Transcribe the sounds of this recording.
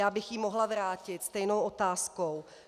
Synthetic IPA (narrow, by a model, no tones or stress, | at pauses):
aːbɪxjimoɦlavɾaːcɪt̪st̪ɛjnowʔot̪aːskow